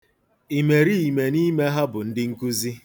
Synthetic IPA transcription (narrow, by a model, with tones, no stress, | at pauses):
i˨me˨ɾi˦i˨me˨ni˦me˦ɦa˦bʊ˨n̩˦dɪ˦ŋ̩˦ku˦zi˦